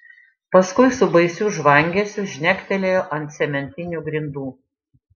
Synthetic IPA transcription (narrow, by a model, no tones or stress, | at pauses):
pɐskʊɪsʊbɐɪsʲuːʒʋɐŋʲɡʲɛsʲʊʒʲnʲɛkʲt̪ʲɛlʲeːjoːʔɐnʲt̪ʲsʲɛmʲɛnʲt̪ʲɪnʲuːɡɾʲɪnd̪uː